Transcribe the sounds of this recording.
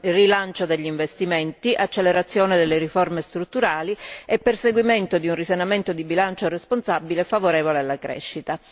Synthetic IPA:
rilant͡ʃod̪eʎːiɱvest̪iment̪iʔat͡ʃːelːeɾat̪sːjoːned̪elːeɾiformest̪ɾut̪ːuɾaːliepːerseɡwiment̪od̪iunrisanament̪od̪ibilant͡ʃoresponsabilefːavoɾeːvolealːakɾɛ̰ʃːit̪a

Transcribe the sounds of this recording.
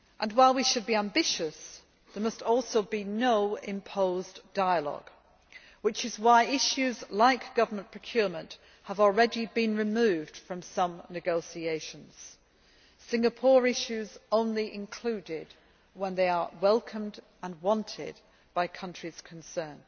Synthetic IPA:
ʔə̃nwaɪlˠwiʃɨd̚biæ̃mbɪʃɨs | ðə˞mʌstʰɔlˠsoʊbinoʊɪ̃mpʰoʊzd̥aɪəlɔ̰ɡ̥ | wɨt͡ʃɨzwaɪɪʃʉzlaɪkɡ̥ʌvə˞mə̃npʰɹ̥əkʰj̥ɔɹmə̃nʔ | həvl̩ˠɹɛdibɨ̃nɹɨmʉvd̥fɹʌ̃msʌ̃mnɨɡoʊsieɪʃə̃nz̥ | sɪ̃ŋəpʰɔɹɪʃʉzõʊ̃nliʔɪ̃nkʰl̥ʉdɪd | wə̃nðeɪə˞wɛlˠkʰə̃md | ə̃nwɑ̃ntʰɪ̰d | b̥aɪkʰʌ̃nt͡ʃɹ̥iz̥kʰn̩sɜ̃˞n

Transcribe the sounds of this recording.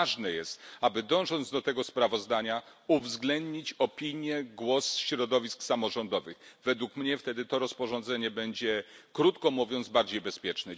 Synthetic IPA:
aʐnɛjɛst̪abɘd̪ɔ̃w̃ʐɔnd̪ɔt̪ɛɡɔspɾavɔzd̪aɲa | uvzɡlɛnd̪ɲit͡ɕɔpʲiɲjɛɡwɔsɕɾɔd̪ɔvʲisksamɔʐɔnd̪ɔvɘɣvɛd̪wukmɲɛft̪ɛd̪ɘt̪ɔɾɔspɔʐɔnzɛɲɛbɛɲd͡ʑɛkɾut̪kɔmuvʲjɔnzbaɾd͡ʑejbɛspʲjɛt͡ʂnɛ

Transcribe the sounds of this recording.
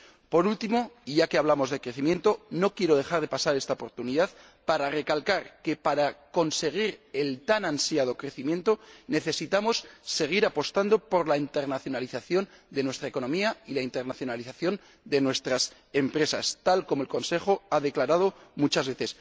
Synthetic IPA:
po̞ɾult̪imo̞iʝakeaβ̞lamo̞zðekɾe̞θimjẽ̞nt̪o̞no̞kjeɾo̞ð̞e̞xaɾð̞e̞pasaɾe̞st̪aopo̞ɾt̪uniðað | paɾare̞kalkaɾke̞paɾako̞nse̞ɣ̞iɾe̞lt̪anansjað̞o̞kɾe̞θimje̞nt̪o̞ne̞θe̞sit̪amo̞sːe̞ɣ̞iɾapo̞st̪and̪o̞po̞ɾlaint̪e̞ɾnaθjo̞naliθaθjo̞nd̪e̞nwe̞st̪ɾae̞ko̞nõ̞miailaint̪e̞ɾnaθjo̞naliθaθjo̞n | d̪e̞nwe̞st̪ɾas | e̞mpɾe̞sast̪alko̞moe̞lko̞nse̞χo̞aðe̞klaɾað̞o̞mut͡ʃazβe̞θe̞s

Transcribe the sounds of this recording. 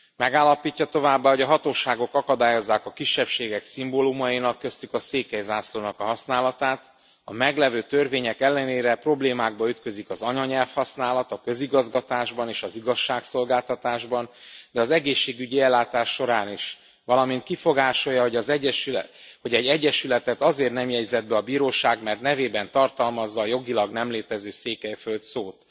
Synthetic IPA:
mɛɡaːlːɒpiːcːɒt̪o̞vaːbːaːɦo̞ɟɒɦɒt̪oːʃaːɡo̞kɒkɒd̪aːjo̞zːaːkɒkiʃːɛpʃeːɡɛksimbolumɒjinɒkːø̞st̪ykɒseːkɛjzaːsolnɒkɒɦɒsnaːlɒt̪aːt̪ | ɒ̰mɛɡlɛvøːt̪ø̞rveːɲɛkɛlːɛneːɾɛpro̞bleːmaːɡ̚bɒyt̪kø̞zikɒzɒɲɒɲɛlfhɒsnaːlɒt̪ɒkø̞ziɡɒzɡɒt̪aːʒbɒneːʃɒziɡɒʃːaːkso̞lɡaːlt̪ɒt̪aːʒbɒnd̪ɛɒzɛɡeːʃːeːɡyɟiɛlːaːt̪aːʃːo̞ɾaːniʃ | ʋɒlɒmint̪̚kifo̞ɡaːʃo̞jːɒɦoɟɒzɛɛʃyho̞ɟɛɟːɛɟːɛʃylɛt̪ɛt̪ɒzeːrt̪nɛmjɛɟzɛd̪̚bɛɒbiːɾoːʃaːɡmɛrt̪nɛveːbɛnt̪ɒrt̪ɒlmɒzːɒːjo̞ɡilɒɡnɛmleːt̪ɛzøːseːkɛjfø̞lt̪soːt̪

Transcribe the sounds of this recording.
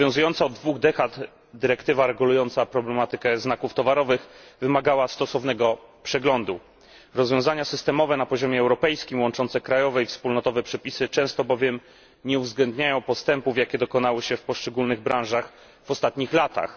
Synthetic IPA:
vjɔ̃zujɔnt̪saɔd̪vuɣd̪ɛxat̪ | d̪ɘɾɛkt̪ɘvaɾɛɡulujɔnt̪sapɾɔblɛmat̪ɘkɛznakuft̪ɔvaɾɔvɘxvɘmaɡawast̪ɔsɔvn̪ɛɡɔpʂɛɡlɔnd̪u | ɾɔzvʲjɔ̃w̃zaɲasɘst̪ɛmɔvɛnapɔʑɔmʲjɛːwɾɔpɛjskʲimwɔnt͡ʂɔnt̪sɛkɾajɔvɛifspulnɔt̪ɔvɛpʂɛpʲisɘt͡ʂɛ̃w̃st̪ɔbɔvʲjɛm | ɲɛuvzɡlɛnd̪ɲajɔ̃w̃pɔst̪ɛmpufjakʲɛd̪ɔkɔnawɘɕɛfpɔʂt͡ʂɛɡulnɘɣbɾãw̃ʐax | vɔst̪at̪ɲixlat̪a̰x

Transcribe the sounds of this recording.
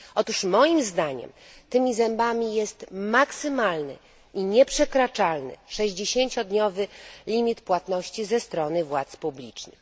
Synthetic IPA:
ɔt̪uʂmɔjimzd̪aɲɛ̰m | t̪ɘmʲizɛmbamʲijɛst̪maksɘmalnɘ̰ | iɲɛpʂɛkɾat͡ʂalnɘ̰ʂɛʑd͡ʑeɕeɲt͡ɕɔd̪ɲɔvɘlʲimʲit̪pwat̪nɔɕt͡ɕizɛst̪ɾɔnɘvwat̪spublʲit͡ʂnɘ̰x

